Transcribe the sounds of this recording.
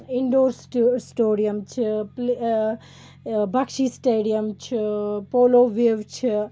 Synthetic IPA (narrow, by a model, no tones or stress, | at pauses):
iɳɖoːɾssʈoːɾijɐmt͡ʃʰipl | bʱɐkʃisʈeːɖijɐmt͡ʃʰipoːloːʋeːʋt͡ʃʰi